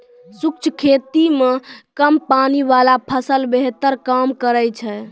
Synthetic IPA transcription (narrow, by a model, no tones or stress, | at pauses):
suk̚t͡ʃʰkʰet̪imekəmpanibalapʰəsəlbeɦt̪əɾkamkəɾəjt͡ʃʰɛ